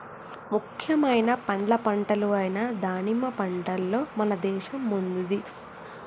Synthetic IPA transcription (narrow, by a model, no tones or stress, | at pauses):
mukʰjɐmɐjnɐpɐɳɖlɐpɐɳʈɐluɐjnɐd̪aːnimɐpɐɳʈɐlːo̞ːmɐnɐd̪ɛːʃɐmːund̪ud̪i